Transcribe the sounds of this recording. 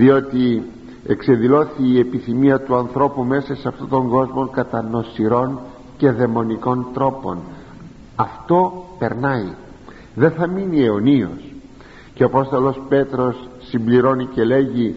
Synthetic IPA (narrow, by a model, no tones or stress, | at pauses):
ðio̞t̪i | e̞̰kse̞nðilo̞θiːe̞piθimiɐt̪uɐnθɾo̞pume̞sɐsɐft̪ot̪o̞ŋɡo̞zmo̞ŋkɐt̪ɐno̞siɾo̞n | ce̞ðe̞mo̞niko̞nt̪ɾo̞po̞n | ɐft̪o̞pe̞ɾnɐi | ðe̞θɐminieonio̞̰s | ceoɐpo̞st̪o̞lo̞spe̞t̪ɾo̞sː | imbliɾo̞nice̞le̞ʝi